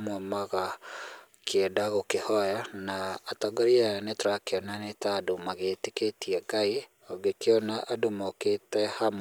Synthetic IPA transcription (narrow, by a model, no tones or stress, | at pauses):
mɔmaɣa | kɛdaɣokehɔjanaːtaɡaɾianetoɾakeɔnanetadomaɣeteketiɛɡai | ɔɡekeɔnaʔadomoketɛham